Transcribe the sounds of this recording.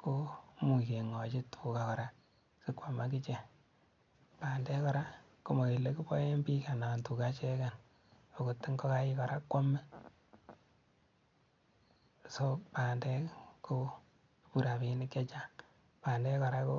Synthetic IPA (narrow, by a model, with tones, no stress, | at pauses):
ko˦mu˨ke˨ŋɔ˨t͡ʃɪ˦tʰu˨ka˨kɔ˨ɾa˦ | sɪ˦kwa˨ma˦k̬i˦t͡ʃe˨ | pa˨ndɛ˦kɔ˨ɾa˦ | ko˦mo˨ke˨le˦ku˦pɔ˦je˦mbi˦ka˨na˨ntu˨ka˦t͡ʃɛ˦ka˨n | o˨ko˨tːi˦ŋɡɔ˦ka˦i˦kɔ˨ɾa˦kwa˦mɛ˦˨ | so˦paː˨ndɛ˦ko˦ | pu˦ɾa˨pi˦nɪ˦ke˦t͡ʃa˦ŋ | paː˨ndɛ˦kɔ˨ɾa˦ko˦